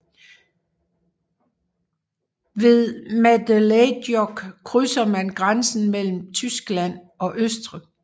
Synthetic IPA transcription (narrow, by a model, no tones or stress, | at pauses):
ʋe̝ðˠmæd̥eled̥jɒɡ̥kʰʁysɐmænɡ̥ʁansn̩mel̰m̩t͡sʰysɡ̥læn̰ | ɒ̽ʔøsd̥ʁi